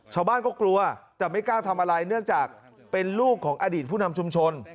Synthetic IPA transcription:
t͡ɕʰaː˧wbaː˥˩nkɔː˥˩klu˧ɐt̪ɛː˨˩ma˥˩jkaː˥˩wt̪ʰa˧mʔaː˧ɾa˧jnɯ˥˩əŋt͡ɕaː˨˩k̚ | pe˧nluː˥˩kʰːɔː˩˦ŋʔaː˧diː˨˩t̪̚pʰuː˥˩na˧mt͡ɕʰu˧mt͡ɕʰo˧n

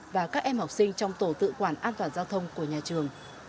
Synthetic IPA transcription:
vaː˨˩kaː˦˥k̚ʔɛ˧mhɔ˨˩wk͡p̚sï˧ŋ̟t͡ɕɔ˧wŋ͡mt̪o˧˩t̪ɨ̰˧˨kwaː˧˩nʔaː˧nt̪waː˨˩nzaː˧wt̪ʰə˧wŋ͡mku˧˩əɲaː˨˩t͡ɕɨ˨˩əŋ

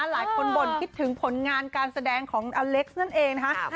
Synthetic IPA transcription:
a˧laː˨˩˦jkʰo˧nbo˨˩nkʰi˦˥t̪ʰːɯ˨˩˦ŋpʰo˨˩˦nŋaː˧nkaː˧nsa˧dɛː˧ŋkʰɔː˩˦ŋʔaː˧le˦˥k̚sna˥˩nʔeː˧ŋn˧kʰa˦˥ʔ

